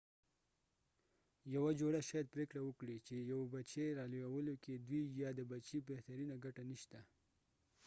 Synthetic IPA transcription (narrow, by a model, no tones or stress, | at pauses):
jawad͡ʒoɽaʃɑjad̪̚pɾekɽawəkɽit͡ʃejawebat͡ʃeɾɑlowawəloked̪wijɑd̪əbat͡ʃibeht̪aɾinaɡaʈaniʃt̪a